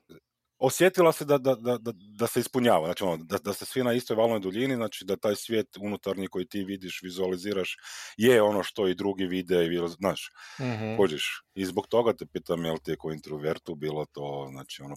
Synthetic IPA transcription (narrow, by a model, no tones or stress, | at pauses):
o̞sje̞t̪ilˠased̪ad̪ad̪ad̪a | d̪aseispuɲaːʋaznaːt͡ʃionod̪ad̪asesʋinaist̪ojʋaːlnojd̪uʎiniznaːt͡ʃid̪at̪aːjsʋjeːt̪unut̪aɾɲikojit̪iʋid̪iʃʋizualiziːɾaʃjeo̞noʃt̪o̞id̪ɾuɡiʋid̪ɛiʋilznaːʃ | kod͡ʒiʃizbokt̪o̞ɡat̪epiːt̪amjelt̪iɛkoint̪ɾoʋeɾt̪ubiːlˠot̪o̞ːzna̰ːt͡ʃiono